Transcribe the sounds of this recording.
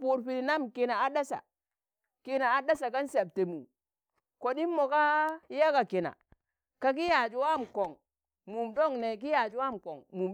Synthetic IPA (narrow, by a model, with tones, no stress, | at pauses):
pu˨ɾpi˨ɾi˨na˦˨mki˨na˨a˦da˦sa̰˨ | ki˦na˨a˨da˦sa˨ka˦nse˨b̚te˨mṵ˨ | ko˨ɗi˦mːo˨ka˦ja˦ka˨ki˨na̰˨ | ka˨ki˦ja˨d͡ʒu˨wa˦˨mko˨ŋ | mu˨mdo˦˨ŋne˨k̬i˦ja˨d͡ʒu˦wa˦˨mko˨ŋmu˨m